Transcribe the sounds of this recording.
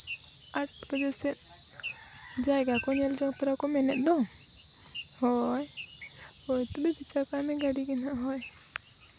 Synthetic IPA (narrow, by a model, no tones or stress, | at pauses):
atkəd͡ʒɔsɛt̪ | d͡ʒajɡakɔɲɛld͡ʒɔŋt̪ɔɾakɔmɛnɛt̪̚ˀd̪ɔ | hɔj | hɔjt̪ubibit͡ʃakamɛɡaɽikinaɦɔj